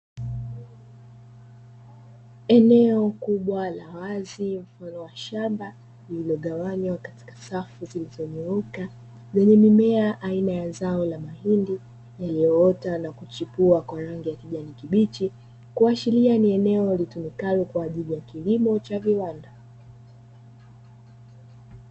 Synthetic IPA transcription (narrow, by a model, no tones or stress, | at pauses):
ɛnɛɔkuɓwalawazim̩fanɔwaʃamba | lililɔɠawaɲwakati̥kḁsafuzilizɔɲuɾuka | zɛɲɛmimɛaʔainajazaɔlamahindi | jalijɔɔtanakut͡ʃipuakwaɾaŋɡijakiʄanikiɓit͡ʃi | kuat͡ʃilianiɛnɛɔlitumikalɔkwaːʄilijakilimɔt͡ʃaviwanda